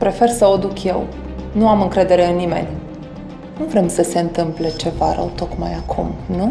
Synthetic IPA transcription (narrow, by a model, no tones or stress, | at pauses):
pɾe̞fe̞rsəod̪ukje̞̰w | nuamɨŋkɾe̞d̪e̞ɾe̞ɨnːime̞̰nʲ | nuvɾe̞msəse̞ɨnt̪ɨmple̞t͡ʃe̞va̰ɾə̰wt̪o̞kmajakʰṵmnu